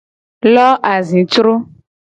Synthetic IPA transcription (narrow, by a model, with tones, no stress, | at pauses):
lɔ˦ʔa˨zĩ˨t͡ʃɾo˦